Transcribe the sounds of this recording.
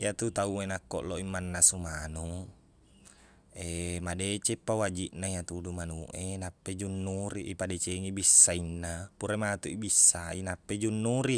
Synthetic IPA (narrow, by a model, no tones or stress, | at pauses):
jat̪ut̪auenakːoʔloʔimːanːasumanu | emadet͡ʃepːawad͡ʒiʔnaijat̪udumanuʔenapːed͡ʒunːuɾiʔipadɛt͡ʃeŋibisːainːapuɾemat̪uʔibisːainapːed͡ʒunːuɾi